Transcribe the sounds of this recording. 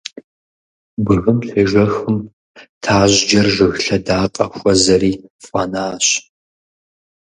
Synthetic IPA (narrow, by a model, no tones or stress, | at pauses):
bɨɣɨmɬɨʒʷɐxɨm | tʰaːʑd͡ʒɐrʒɨɣɬɐdaːqʼɐxʷʼɔzɐɾiːfʼɐnaːɕ